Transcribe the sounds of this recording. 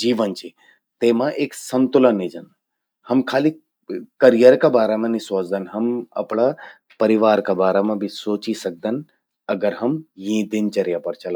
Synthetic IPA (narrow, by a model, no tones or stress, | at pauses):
d͡ʒiːʋənt͡ʃʰi | t̪eːmãʔeːksɐnt̪ʊlənːid͡ʒɐn | hɐmkʰaːli | kɐɾijəɾkabaːɾemãnisoːt͡ʃd̪ɐnɦɐmɐ̰pɳ̃a | pɐɾiʋaːɾkabaːɾemãbʱisoːt͡ʃisɐk̚d̪ən | ɐɡəɾɦɐmjĩd̪ɪnt͡ʃɐɾjapɐɾt͡ʃʰɐla